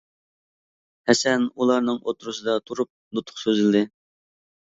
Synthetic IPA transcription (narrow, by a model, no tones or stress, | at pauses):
hɛsɛnulˠɑɾnɨŋʔot̪ʰɾusɨd̪ɑt̪ʰuɾup̚nut̪ʰʊ̥χsøzɪld̪ɪ